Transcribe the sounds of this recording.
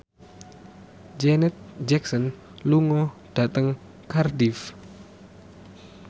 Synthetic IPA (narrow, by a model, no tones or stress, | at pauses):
d͡ʒɛnɛt̪̚d͡ʒɛksɔn | luŋɔd̥at̪əŋ | kardif